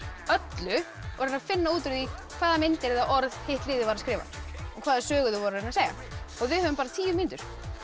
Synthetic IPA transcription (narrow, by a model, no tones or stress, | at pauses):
œt̪lʏ | vɔɾʏnafɪnːauːt̪ʏɾðikʰv̥aːðamɪnt̪ɪɾɛðaʔɔɾðhejht̪lɪːðɪvaɾaɾskɾɪːva̰ɔkʰvaːðasœːɣʏðʏvɔɾʏɾɾɪnaseːjɣa̰ | ɔɣvɪðhœvʏmpaːɾat̪ʰiːvʏɾminʏt̪ʏɾ̥